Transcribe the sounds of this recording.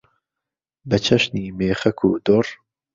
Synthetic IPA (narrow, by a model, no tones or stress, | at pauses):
bɐt͡ʃʰɐʃniːmeːχɐkʰṵd̪or